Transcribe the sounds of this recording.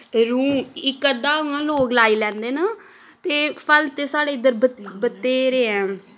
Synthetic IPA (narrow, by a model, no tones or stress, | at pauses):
ɾũːmɪkːəd̪ãːũãːloːklaːiːlɛ̃ːnd̪eːnaː | t̪eːpʰəlt̪eːsaːɽeːɪd̪əɾbəbət̪ːeːɾeːɛ̃ː